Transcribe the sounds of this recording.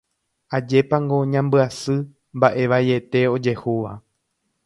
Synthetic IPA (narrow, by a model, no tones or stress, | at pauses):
ad͡ʒe̞pãŋɡo̞ɲãmbɨasɨ | mbaʔe̞ʋaje̞t̪e̞o̞d͡ʒe̞huʋa